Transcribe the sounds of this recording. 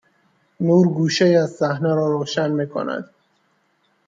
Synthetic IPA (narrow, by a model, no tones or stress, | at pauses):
nuːɾɡuːʃeiæzsæhnæɾɒːɾoːʃænmiːkʰo̰næ̰d̪̥